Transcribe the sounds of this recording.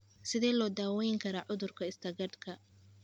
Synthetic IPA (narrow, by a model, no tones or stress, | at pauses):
sɪðɛːlɔːd̪aːwɛjŋkʰɐɾaːʕʊðʊrkʰɐɪst̪ʰɐɡɐd̪kʰɐ